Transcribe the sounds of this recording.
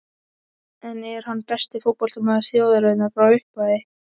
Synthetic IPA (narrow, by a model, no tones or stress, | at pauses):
ɛnːɛɛɾ̥hanːpɛst̪ɪfʊt̪̚pɔl̥t̪ʏmaðaɾ̥θjoːwðaɾœnːafɾawʏhpaðɪ